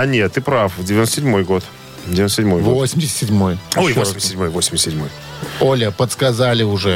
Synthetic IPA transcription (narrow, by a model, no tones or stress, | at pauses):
ɐnʲet̪ːɨpɾafvdʲɪvʲɪnot̪əsʲɪdʲmo̞jɡo̞t̪ | dʲɪvʲɪnossʲdʲmojɡvosʲɪmʲdʲɪsʲt̪ʲsʲɪdʲmo̞jojvosɪmʲsʲsʲɪdʲmojvosʲɪmʲst̪sʲɪdʲmo̞j | olʲəpət̪skɐzalʲɪʊʐɛ